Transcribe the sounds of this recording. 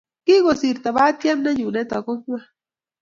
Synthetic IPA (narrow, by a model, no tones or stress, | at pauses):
kiɣosiɾt̪aβat̪ijamnajunet̪akoŋa